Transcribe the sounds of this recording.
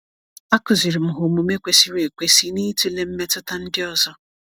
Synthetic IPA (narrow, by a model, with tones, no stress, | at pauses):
a˦kʊ˨zi˨ɾi˨m̩˨ɦʊ˨mu˨me˦kʷe˦si˦ɾe˨kʷe˦si˦ni˦tu˦le˦m̩˦me˦tʊ˦ta˦n̩˦dɪ˦ɔ˦zɔ˦